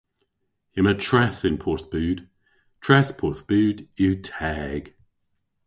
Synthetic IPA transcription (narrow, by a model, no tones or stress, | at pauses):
jəmətʰɹ̥ɛθɪ̃npʰɔˑθb̥ʉːd̥ | tʰɹ̥ɛθpʰɔˑθb̥ʉːdjətʰɛɡ̥